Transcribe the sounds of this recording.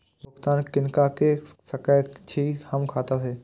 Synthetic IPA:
bʊkt̪aːnkɪnkakesɐkaːjt͡ʃʰeihɐmkʰaːt̪aseː

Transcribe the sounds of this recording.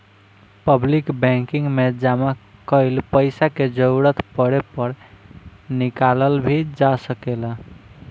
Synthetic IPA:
pəblikbɛ̃ŋkiŋɡmed͡ʒamakəɪlpəɪsaked͡ʒəwɾət̪pəɽepəɾ | nikaləlbʱid͡ʒasəkela

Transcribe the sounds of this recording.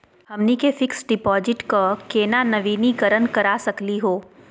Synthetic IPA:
ɦəmnikefɪksɖɪpɔːzɪʈkəkeːnanɐʋinikəɾənkɐɾasəkliɦoː

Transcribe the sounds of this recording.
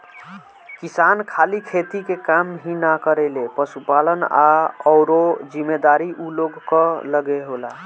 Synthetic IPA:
kisankʰalikʰet̪ikekamɦĩnakəɾelepəsupaləna̰ɔʊɾod͡ʒimːed̪aɾiʔuloɡkələɡeɦola

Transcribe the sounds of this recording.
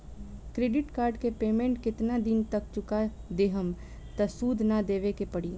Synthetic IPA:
kɾeːɖɪʈkaːɾɖkepeːmẽɳʈkɪt̪nad̪ɪnt̪ək̚t͡ʃʊkad̪eːɦəm | t̪ɐsuːd̪ʱnad̪eːʋekepɐɽi

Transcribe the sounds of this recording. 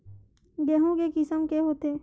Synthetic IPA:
ɡɛːɦõkekɪsəmkeɦoːt̪eː

